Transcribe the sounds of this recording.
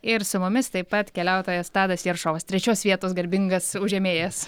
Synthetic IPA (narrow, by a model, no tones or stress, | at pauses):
ɪɾsʊmʊmʲɪst̪ɐɪpːɐt̪kʲɛlʲɛʊt̪oːjɛst̪ɑːd̪ɐsjiɛɾʃoːʋɐst̪ʲɾʲɛt͡ʃʲoːsʋʲiɛt̪oːsɡɐɾʲbʲɪŋɡɐsʊʒʲɛmʲeːjɛs